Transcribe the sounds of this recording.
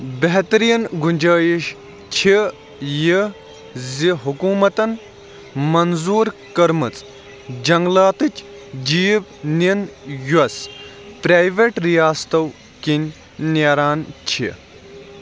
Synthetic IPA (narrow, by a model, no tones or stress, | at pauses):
bɐɦt̪ɾijɐnɡunʲd͡ʒɐːjiʃ | t͡ʃʰi | ji | ziɦukuːmɐt̪ɐn | mɐnzuːɾkɐɾmɨt͡s | d͡ʒɐŋɡlaːt̪ɨt͡ʃʲʰd͡ʒiːbnʲinjuɐspɾaːjʋeʈɾijaːst̪ɐw | kinʲ | neɾaːnt͡ʃʰḭ